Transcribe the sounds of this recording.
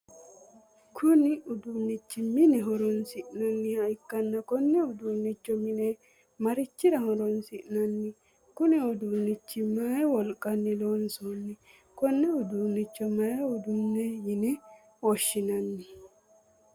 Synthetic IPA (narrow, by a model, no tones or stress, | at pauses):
kʰʊnɪʊd̪unːɪt͡ʃːɪmɪnɛɦɔɾɔnsɪʔnɐnːɪɐjɪkːɐnːɐkɔnːɛʊd̪unːit͡ʃːɔmɪnɛ | mɐɾɪt͡ʃːɪɾɐhɔɾɔnsɪʔnɐnːɪ | kʊnɪɔd̪unːɪt͡ʃːɪmajwɔlkʼːɐnːɪloːnsɔnːɛ | kɔnːɛʊd̪uːnːɪt͡ʃːɔmɐjɐʊd̪unːɛjɪnɛ | wɔʃːɪnɐnːɪ